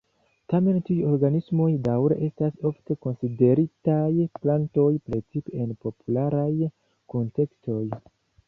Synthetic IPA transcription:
tame̞ntiujo̞ɾɡanismo̞jdawɾe̞̰ʔe̞staso̞fte̞ko̞nside̞ɾitajplanto̞jpɾet͡sipeenpo̞pʰulaɾaj | ko̞nte̞ksto̞j

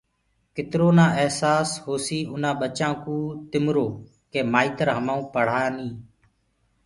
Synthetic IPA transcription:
kɪt̪ɾoːnãːəɦsaːshoːsiːʊnãːɓət͡ʃãːkũːt̪ɪmɾoː | keːmaːiːt̪əɾɦəmãːũːpəɽ̤aːnĩː

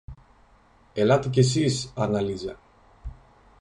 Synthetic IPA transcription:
elat̪ices̬isɐnɐlizɐ

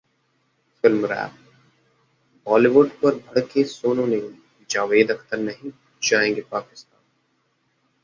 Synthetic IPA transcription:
fɪlmɾɛ̰ːp | bɔːliʋʊɖpɐɾbʱɐɽkesoːnõnẽ | d͡ʒaːʋeːd̪ɐkt̪əɾnɐɦĩ | d͡ʒaːẽːŋɡepaːkɪst̪aːn

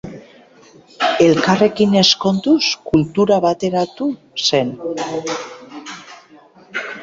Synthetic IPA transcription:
e̞lkare̞kine̞sko̞nt̪uskult̪uɾaβat̪e̞ɾat̪u | se̞n

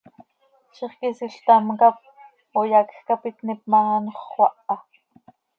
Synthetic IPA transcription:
ʃiχkisiɬt̪amkap̚ | ojakxkapit̪nip̚mɑɑnoχwʷɑʔɑ

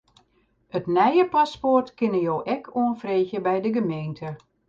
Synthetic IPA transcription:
ətnɛjəpaspɔrtkɪnəjoːʔɛkʰoənfreːxjəbɛjdəɡəmeːntʰə

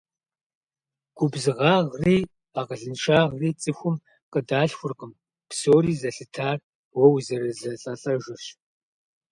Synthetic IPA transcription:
ɡ̥ʷʊbzɨʁaːʁreː | aːʁəɮɨnʃaːʁreːt͡sʼɨxʷʊm | qʼədaːɬxʷʊrqʼəm | psoːɾiːzɐɬɨtʰaːr | wɔwzɐɾɐzɐɬʼɐɬʼɐʒɪɕ

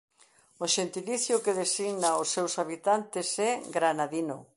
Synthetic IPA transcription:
oʃent̪iliθjʊkeðesiɣnaosːewsaβit̪ant̪esɛɡɾanaðino

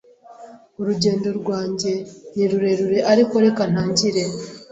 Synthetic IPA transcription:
uɾuɟe̞ːndo̞ɾɡwaːɲɟe̞niɾuɾe̞ɾuɾe̞ʔaɾiko̞ɾe̞kan̥aːɲɟiɾe̞

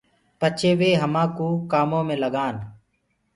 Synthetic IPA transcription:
pət͡ʃʰeːʋeːɦəmãːkuːkaːmõːmẽːləɡaːn

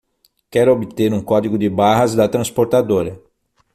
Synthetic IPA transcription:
kɛɾʊobɪt̪eɾũkɔd̪iɡʊd̪ɪbaɦɐzd̪ɐt̪ɾɐ̃spoɾt̪ad̪oɾɐ

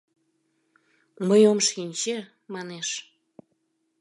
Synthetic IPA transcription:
məjomʃinʲt͡ɕe | mɑneʃ

